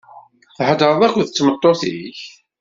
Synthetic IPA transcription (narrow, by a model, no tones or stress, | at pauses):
θħəd̪əɾˤðˤækʷðət͡sːmət̪ˤːoθḭç